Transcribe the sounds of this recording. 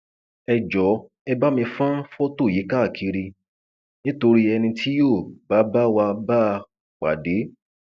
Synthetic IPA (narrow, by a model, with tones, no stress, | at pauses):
ɛ˨˧d͡ʒɔ˨˦ | ɛ˧ba˦mĩ˧fã˦fo˦to˦˨ji˨˦ka˦˨kʰi˧ɾi˧ | nĩ˦to˧ɾi˦ɛ˧nĩ˧tʰi˦joː˦˨ba˨˦ba˦wa˧ba˦˧ | k͡pa̰˨de˨˦